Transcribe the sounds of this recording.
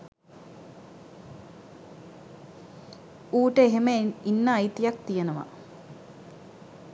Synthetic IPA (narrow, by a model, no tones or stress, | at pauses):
uːʈəeɦeməinːəːjt̪ijakt̪ijenəʋa̰